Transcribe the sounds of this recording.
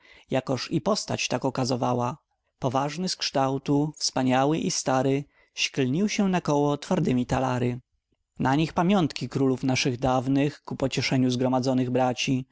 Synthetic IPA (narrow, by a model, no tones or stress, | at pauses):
jakɔʂipɔst̪a̰t͡ɕt̪akɔkazɔvawa | pɔvaʐnɘskʂt̪awt̪ufspaɲawɘʔist̪aɾɘ | ɕklɲiwɕɛnakɔwɔt̪faɾd̪ɘmʲit̪alaɾɘ | naɲixpamʲjɔnt̪kʲikɾulufnaʂɘɣd̪avnɘxkupɔt͡ɕɛʂɛɲuzɡɾɔmad̪zɔnɘɣbɾat͡ɕi